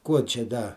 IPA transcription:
ˈkuɔ t͡ʃʲɛ ˈdɐ

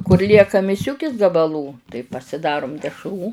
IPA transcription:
kʊr ˈlʲiɛkɐ mʲɪˈsʲʊkʲɪs ɡɐbɐˈlˠuː tɐɪ pɐsʲɪˈdɑːrʊm dʲɛʃˈruː

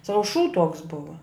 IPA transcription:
ˈsɑːʋʊ ʃuː tuɔks ˈbʊʋɐ

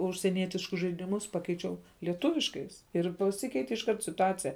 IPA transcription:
ʊʃʲsʲiɛˈnʲiɛtʲɪʃkʊs ʒɐɪdʲɪˈmʊs ˈpɑːkʲɛɪt͡ʃʲɛʊ lʲiɛˈtʊʋʲɪʃkɐɪs ɪr pɐˈsʲɪkʲɛɪtʲɪ ɪʃˈkɐrt sʲɪtʊˈɑːt͡sʲɪjɛ

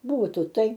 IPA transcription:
ˈbuːtuː ˈtɐɪ

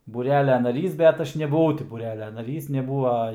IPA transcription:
buːˈrʲæːlʲɛ nɐˈrʲiːs bʲɛt ˈɐʃ nʲɛbʊˈʋɐʊ tʲɪ buːˈrʲæːlʲɛ nɐˈrʲiːs nʲɛˈbuːɐ

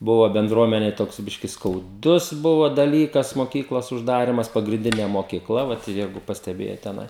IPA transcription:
ˈbʊʋɐ bʲɛnˈdruɔmʲɛnʲɛɪ ˈtoːks ˈbʲɪʃʲkʲɪ skɐʊˈdʊs ˈbʊʋɐ dɐˈlʲiːkɐs moːˈkʲiːklˠoːs ʊʒˈdɑːrʲɪmɐs pɐɡrʲɪnʲˈdʲɪnʲeː moːkʲɪˈklˠɐ ˈʋɐt ˈjɛɪɡʊ pɐsʲtʲɛˈbʲeːjoːt tʲɛˈnɐɪ

